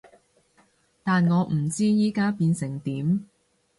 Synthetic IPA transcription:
t̪aː˨nŋɔː˨˧ʔm̩˨˩t͡siː˥jiː˨˥kaː˥piː˧nsɪ˨˩ŋt̪iː˨˥m

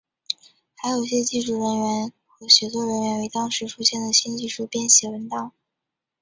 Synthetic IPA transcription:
xa˧˥ɪjo˨˩ʊi˧˩ɕjɛ˥t͡ɕi˥˧ʈ͡ʂu˥˩ɻə˧˥nɥɛ˧˥n | xɤ˧˥ɕɥɛ˧˥t͡s̪ʰwɔ˥ɻə˧˥nɥɛ˧˥nwe˧˥ɪt̪ɑ˥ŋʂɻ̩˧˥ʈ͡ʂʰu˥ɕjɛ˥˩nd̪ə˩ɕi˥nt͡ɕi˥˧ʂu˥˧pjɛ˥˩nɕjɛ˧˥wə˧˥nt̪ɑ˥˩ŋ

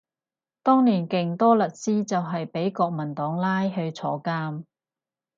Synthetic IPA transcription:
t̪ɔː˥ŋniː˨˩nkɪ˨ŋt̪ɔː˥lɐ˨˩t̚siː˥t͡sɐ˨wɦɐ˨jpe˨˥jkɔː˧k̚mɐ˨˩nt̪ɔː˨˥ŋlaː˥jɦɵ˧ɥt͡sʰɔ̰ː˨˥kaː˥m

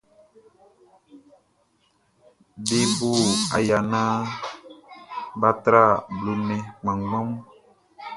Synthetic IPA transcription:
be˦buː˦˨a̰˨ja˨na˦ | ba˦tɾa˦˨blu˨mɛ˨ŋ͡mã˨ŋɡɔ˦m

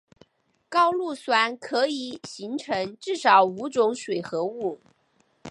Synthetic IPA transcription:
kɑ˥ʊlu˥˩swa˧˥nkʰɤ˧˥i˨˩˦ɕi˧˥ŋʈ͡ʂʰɤ˧˥ŋʈ͡ʂɻ̩˥˩ʂɑ˨˩ʊu˧˥ʈ͡ʂʊ˧˥ŋʂwe˨˩ɪxɤ˧˥u˥˩

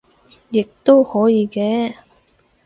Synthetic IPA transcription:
jɪ˨k̚t̪o˥whɔː˨˥jiː˨˧kɛː˧

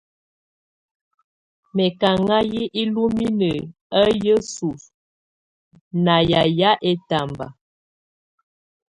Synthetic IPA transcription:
mɛ˨ka˨ŋa˦ji˦ʔi˦lu˦mi˦nə˨ | ə˦jə˦su˨f | na˨ja˨ja˦ʔɛ˦ta˨mba̰˨

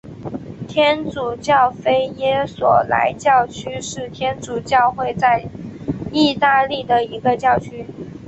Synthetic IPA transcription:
t̪ʰjɛ˥nt͡su˨˩t͡ɕjɑ˥˩ʊfe˥ɪjɛ˥swɔ̰˨˩la̰˧˥ɪt͡ɕjɑ˥˩ʊt͡ɕʰy˥ʂɻ̩˥˩t̪ʰjɛ˥nt͡su˨˩t͡ɕjɑ˥˧ʊxwe˥˧ɪt͡sa˥˧ɪ | i˥˩˧t̪a˥˧li˥˩d̪ə˩i˧˥ɡə˧t͡ɕjɑ˥˩ʊt͡ɕʰy˥

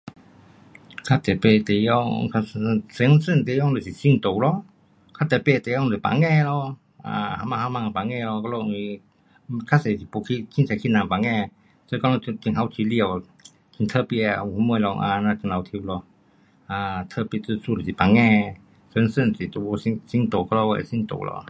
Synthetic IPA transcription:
kʰa˧˥t̪ɛ˨˩pe˧˨t̪e˨jɔ˧ŋkʰa˧sə˨˧˦nsə˥˨nt̪e˧˨˦jɔ˧˨ŋlə˨si˨si˧˨ŋt̪o˨wlɔ˧ | kʰa˧˥t̪ɛ˨˩pe˧˨˧t̪e˨˦jɔ˧˨˧ə˨pa̰˨ŋɛ˥˧˨lɔ˧ | a̰˧ha˧ma˧ha˧ma˧˨ŋ˧˨pa˨ŋɛ˧˨lɔ˧kɔ˧lo˧˨˧i˧ | kʰa˧˥se˨si˨pu˧˨kʰi˧kʰi˧˥ntʰa˨kʰi˧˥na˨pa˨ŋɛ˧˨ | sə˧˦kɔ˧lɔ˧ki˧˨ŋɦa˧˦wtʰi˧li˧ə˨w | kʰi˧˨nt̪ʰə˧˨pi˧˨a˧u˨u˧˦mə˧˨lɔ˧ŋʔa̰˧na˧ki˧˨ŋla˨˧wt̪ʰi˧wlɔ˧ | a˧t̪ʰə˧˨pi˧˨t͡sɨ˧˨su˧˨lə˨si˨pa˨ŋɛ˧˨ | sə˧˦ŋsə˥˨nsi˨˩t̪o˧˨o˧si˧si˧˥˨ŋt̪o˨˩kɔ˧lɔ˧wa̰˧˨si˧˥˨ŋt̪o̰˨lʔɔ̰˧

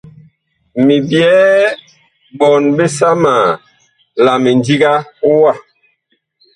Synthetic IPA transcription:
mi˨bjɛː˦ | bɔ˨nbe˦sa˦maː˨ | la˨mi˨ndi˦ɡa˦wa˦˨

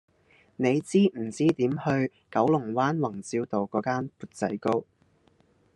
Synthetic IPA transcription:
ne˨˧jt͡siː˥m̩˨˩t͡siː˥t̪iː˨˥mhɵ˧ɥ | kɐ˨˥wlʊ˨˩ŋwaː˥nwɐ˨˩ŋt͡siː˧˥wt̪o˨wkɔː˨˥kaː˥npuː˨˧t̚t͡sɐ̰˨˥jko˥w

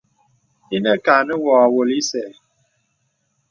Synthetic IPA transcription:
i˦nə˦ka˨nə˦wɔ˨a˨wo˨li˦sɛ˨

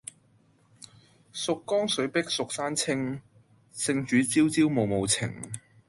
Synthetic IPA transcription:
sʊ˨kːɔː˥ŋsɵ˨˥ɥpɪ˥k̚sʊ˨k̚saː˥nt͡sʰɪ˥ŋ | sɪ˧ŋt͡ʃyː˨˥t͡siː˥wt͡siː˥wmo˨wmo˨wt͡sʰɪ̰˨˩ŋ

